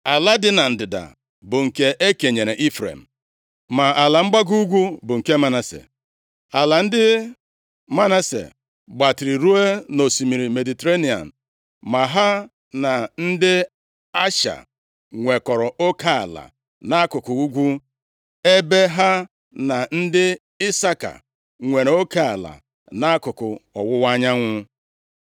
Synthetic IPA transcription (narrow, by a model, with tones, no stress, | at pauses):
a˨la˦dɪ˦na˨n̩˨dɪ˨da̰˨ | bʊ˨ŋ̩˨ke˨ʔe˦ke˨ɲe˨ɾe˨ʔi˦fɾḛ˨m̩˨ | ma˨ʔa˨la˨ŋ͡m̩˦ɡ͡ba˦ɡu˦u˦ɡʷu˦bʊ˨ŋ̩˨ke˦ma˦na˨sḛ˨ | a˨la˨n̩˦dɪ˦ | ma˦na˦sḛ˨ | ɡ͡ba˨tɪ˨ɾi˨ɾu˦e˦no˨si˨mi˨ɾi˨me˨di˨te˦ɾe˦ni˨a̰˨n̩˨ | ma˨ɦa˦ | na˨n̩˦dɪ˦ | a˦ʃa̰˨ | ŋʷe˨kɔ˨ɾɔ˨ʔo˦ka˦a̰˨la̰˨ | na˦a˦kʊ˨kʊ˨u˦ɡʷu˦ | e˦be˦ɦa˦ | na˨n̩˦dɪ˦ | ɪ˦sa˦ka̰˨ | ŋʷe˨ɾo˦ke˦a˨la̰˨ | na˦a˦kʊ˨kʊ̰˨ɔ̰˨wʊ˦wa˦ɲa˦ŋʷʊ˦